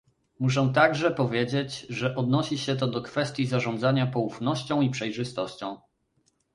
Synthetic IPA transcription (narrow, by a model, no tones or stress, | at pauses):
muʂ̬ɛ̃t̪aɡʐɛpɔvʲjed͡ʑed͡ʑʐɛʔɔd̪nɔɕiɕɛt̪ɔd̪ɔkfɛst̪ʲjizaʐɔnd̪zaɲapɔufnɔɕt͡ɕɔ̃w̃ipʂɛjʐɘst̪ɔɕt͡ɕɔ̃w̃